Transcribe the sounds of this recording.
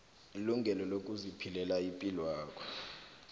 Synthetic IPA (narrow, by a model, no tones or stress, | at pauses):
iluŋɡʱɛlɔlok̬ʼuzipʰilɛlaipʼilwaːk̬ʰʼɔ̥